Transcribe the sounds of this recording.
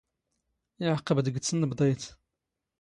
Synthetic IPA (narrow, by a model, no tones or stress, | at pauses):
ʕqəbd̪əɡt͡sːənːəbd̪ˤɑjt̪